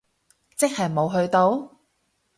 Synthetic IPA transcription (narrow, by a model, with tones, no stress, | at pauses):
t͡sɪ˥k̚hɐ˨jmo˨˧wɦɵ˧ɥt̪o˧˥w